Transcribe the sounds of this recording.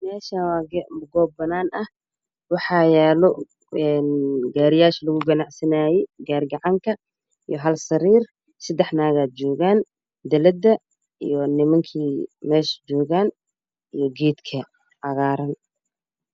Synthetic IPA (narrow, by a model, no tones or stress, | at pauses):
mɛːʃawɑːɡmɡɔːb̚ːɐnaːnɐh | wɑħɑːjɛːlɔ | ɛnɡaːɾɪjaːʃlɐɣʊɡɐnɑʕsɐnaːjɛɡaːrɡɑʕɑŋkʰɐ | ijɔɦɐlsɐɾiːr | sɐd̪ɛħnaːɣaːt͡ʃɔːɣaːn | d̪ɐlɐd̪ɐ | ḭjɔnɪmɐŋkʰiːmɛːʃd͡ʒɔːɣaːn | ijɞɡɛːd̪kʰɐ | ʕɑɣaːɾɐn